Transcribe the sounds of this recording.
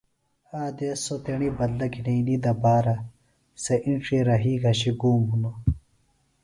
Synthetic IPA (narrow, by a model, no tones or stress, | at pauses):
aːd̪esot̪eɳibɐd̪lɐkineinid̪ɐbaːɾɐ | seʔinʈ͡ʂiɾɐɦiːɡɐɕiɡuːmɦuno